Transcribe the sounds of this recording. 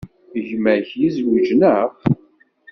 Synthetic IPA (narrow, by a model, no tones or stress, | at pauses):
ʝməɾçjizwid͡ʒnəʁ